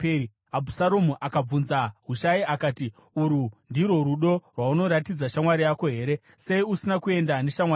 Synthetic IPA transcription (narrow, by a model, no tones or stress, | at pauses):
ei | abʱusaɾomuʔakab͡vunzaɦuʃaiakaːti | uɾundiɾo̞ɾuɗo̞rwauno̞ɾatid͡zaʃamwaɾijako̞ɦe̞ːɾe̞ | se̞iusinakue̞ndane̞ʃamwa